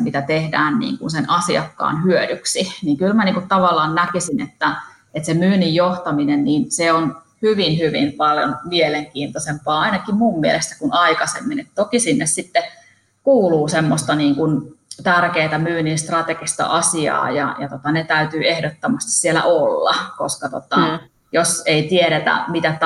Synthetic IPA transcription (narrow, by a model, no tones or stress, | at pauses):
mit̪æt̪ehdæ̰ːnnḭːŋkunsenɑsiɑkːɑ̰ːnhyødyksiniŋkylmæniːŋkut̪t̪ɑʋɑlːˑɑːnnækisinet̪ːæ | et̪semyːnijjoht̪ɑminenniːnseon | hyʋinhyʋḭmpɑljo̰nmieleŋkiːnt̪osempɑːɑinɑkimmumːielest̪æ̥kunɑikɑsḛmːinet̪t̪okisinːessit̪ːe | kuːluːsemːost̪ɑniːŋkunt̪ærkeːt̪æmyːninst̪rɑt̪eɡ̥ist̪ɑ̰ʔɑsiɑ̰ːjɑ̰jɑt̪ot̪ɑnet̪æyt̪yːehdot̪ːomɑst̪i̥ssielæ̰ʔolːɑ̰koskɑt̪o̰t̪ɑ | joseit̪ieɾet̪æ̰mit̪æt̪